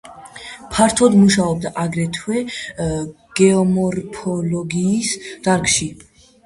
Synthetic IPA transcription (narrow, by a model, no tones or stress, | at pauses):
pʰaɾt̪ʰɔd̪muʃaɔb̚d̪aʔaɡɾɛt̪ʰwɛ | ɡ̥ɛɔmɔɾpʰɔlɔɡiːsd̪̥aɾɡʃi